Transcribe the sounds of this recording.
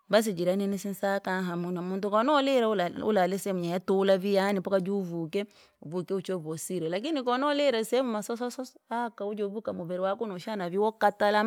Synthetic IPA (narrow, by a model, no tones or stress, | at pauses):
mbas̬id͡ʒiɾaninisinsakaɦamunamuntukɔnɔlɛɾaṵlalɛsɛɛmuɲajatulavijanipɔkad͡ʒuuvukɛ | uvukɛut͡ʃɔvɔsiɾɛlak̬inikɔnɔlɛɾasɛɛmumasɔsɔsɔsakaud͡ʒɔvukamuvɛɾɛwakunɔʃanaviwɔkatala